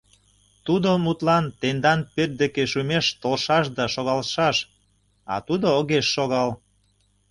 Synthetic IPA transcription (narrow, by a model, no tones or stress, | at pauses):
t̪ud̪omut̪lɑnt̪end̪ɑnpøt̪̚d̪ekeʃumeʃt̪olʃɑʃd̪ɑʃoɣɑlʃɑʃ | ɑ̰t̪ud̪ooɣeʃːoɣɑl